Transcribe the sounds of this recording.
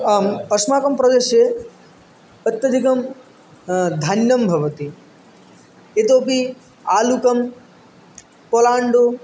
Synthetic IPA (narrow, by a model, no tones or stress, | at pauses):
aːmɐsmaːkɐmpɾɐd̪eʃje | ɐt̪jɐd̪ʱikɐm | d̪ʱanjɐmbʱɐʋɐt̪i | et̪oːpi | aːlukɐm | koːlaːɳɖo